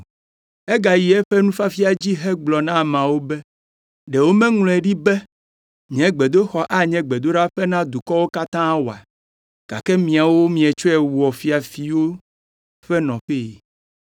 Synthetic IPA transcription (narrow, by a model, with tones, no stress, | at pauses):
ɛ˦ɡa˨ji˨ɛ˦ɸɛ˦nũ˦fa˦fi˦a˨d͡ʑi˦ɦɛ˦ɡ͡blɔ˨nã˦˨mã˨wo˦bɛ˦ | ɖɛ˨wo˦mɛ̃˦ŋlɔ̃˨ɛ˨ɖi˦bɛ˦ | ɲɛ̃˨˦ɡ͡be˨d̪o˦xɔ˨ʔa˦ɲɛ̃˦ɡ͡be˨d̪o˦ɖa˦ɸɛ˦nã˦d̪u˨kɔ˦wo˦ka˦t̪ã˦wo˨a̰˨ | ɡ̥a̰˨kɛ˦mĩ˨a˨wo˦mĩ˨ɛ˨t͡ʃo˦ɛ˨wu˨ɔ˨fi˦a˨fi˨wo˦ | ɸɛ˦nɔ̃˨ɸe˦˨